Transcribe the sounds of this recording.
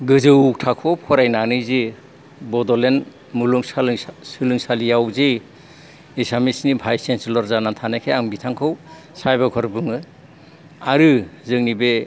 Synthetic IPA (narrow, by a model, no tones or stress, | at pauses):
ɡɯzɯwuk̚tʰakʰɔp̚kʰɔɾajnanɯjzi | bɔdɔlen | muluŋslsɯlɯŋsalijawzej | isamisnibʱajsenslɔɾzanatʰanajkʰeaŋbitʰaŋkʰɯw | sajbakʰɔɾbɯŋɯ | aɾɯzɯŋnibe